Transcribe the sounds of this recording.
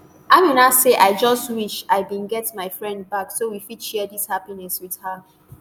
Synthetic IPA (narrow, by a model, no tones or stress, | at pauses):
aɪmĩnaseʔaɪd͡ʒʌstwiʃaɪbĩnɡɛtmaɪfɹɛ̃nd̚baksowifidʃɛdishapinɛswið̥hə